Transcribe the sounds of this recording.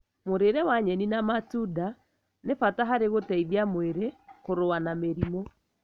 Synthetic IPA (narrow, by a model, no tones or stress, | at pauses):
moɾeɾɛwaɲɛninamatuda | nefataɦaɾeɣotɛiðiamweɾekoɾoanameɾimɔ